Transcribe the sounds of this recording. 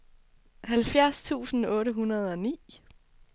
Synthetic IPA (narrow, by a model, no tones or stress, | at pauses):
hælfjæɐst͡sʰṵːsn̩ɔ̽ːɾəɦunɐð̞ˠɒ̽nḭː